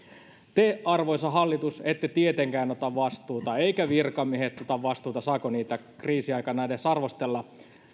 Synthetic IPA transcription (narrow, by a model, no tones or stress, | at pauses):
t̪eːʔɑrʋojsɑɦɑlːit̪uset̪ːet̪iet̪eŋkæːno̞t̪ɑʋʋɑst̪uːt̪ɑeikæʋirkɑmiehet̪ːot̪ɑʋʋɑst̪uːt̪ɑsɑːkoniːt̪ækriːsiɑjkɑnɑjdesɑrʋost̪elːɑ